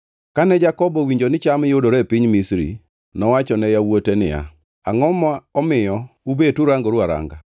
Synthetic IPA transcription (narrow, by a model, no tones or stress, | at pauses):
kanɛd͡ʒakɔbɔwiɲd͡ʒonɪt͡ʃamjodoɾɛpɪɲmisɾḭ | nɔwat͡ʃɔnɛjawotenɪ̰ja̰ | aŋɔmɔɔmɪjɔubetuɾaŋɡoɾuaɾa̰ŋɡa